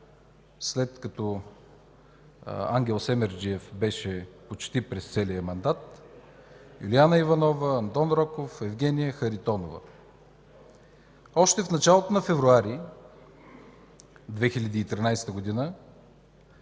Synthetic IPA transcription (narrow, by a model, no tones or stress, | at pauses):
slɛt̪kɐt̪ɔ | a̰ŋɡʲɛlˠsɛmɛɾd͡ʒiɛfbɛʃɛpot͡ʃt̪ipɾɛst̪sɛlijəmɐnd̪at̪ | julianəivɐnɔvəɐnt̪ɔnɾɔkofɛvɡʲɛnijəxəɾit̪ɔnovə̰ | ɔʃt̪ɛfnɐt͡ʃalˠot̪onɐfɛvɾuaɾi | d̪vɛxilʲɐd̪iːt̪ɾinajst̪əɡod̪inə